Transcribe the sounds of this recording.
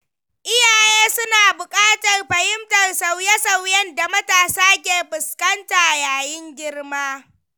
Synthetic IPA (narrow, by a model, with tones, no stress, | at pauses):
ʔɪ˦jaː˨jeː˦sʊ˦naː˨bʊ˨kʼaː˦tɐ˨rɸɐ˨hɪ˦mtɐ˨rsa˨wjɛ˦sa˨wjɛ˦nda˨mɐ˦taː˨saː˦k̬ʲeː˨ɸʊ˨skɐ˦nta˨ʔjaː˨jɪ˦ŋɡʲɪ˦rmaː˦